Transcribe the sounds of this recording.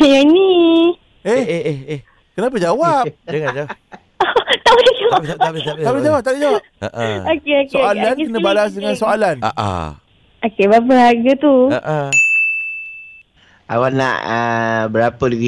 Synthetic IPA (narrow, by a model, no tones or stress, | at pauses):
jani | eheeh | kənap̬əd͡ʒawap̚d͡ʒaŋand͡ʒawap̚ | ot̪aʔbəlid͡ʒawaat̪aablid͡ʒawap̚t̪aid͡ʒawap | ə̰ʔəokeoksoealanənəbalas̬dəŋansoalana̰ʔa̰ | okebap̬əhaɡət̪uə̰ʔə | a̰wana̰ʔəbəɾapədəɡi